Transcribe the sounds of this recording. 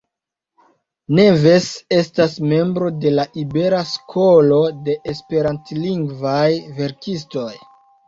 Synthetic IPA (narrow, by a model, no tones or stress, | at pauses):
ne̞ve̞se̞stasme̞mbɾo̞de̞laʔibe̞ɾaskʰo̞lo̞de̞ʔespe̞ɾantliŋɡvajve̞ɾkisto̞j